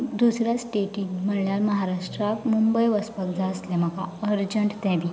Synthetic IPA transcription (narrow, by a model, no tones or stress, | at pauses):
d̪usɾjasʈeʈinm̤əɳljaɾməɦaɾaʂʈɾakmumbəjʋəspəkd͡zʱaəslɛm̤əkaəɾd͡ʑəɳʈt̪ɛ̃ʋi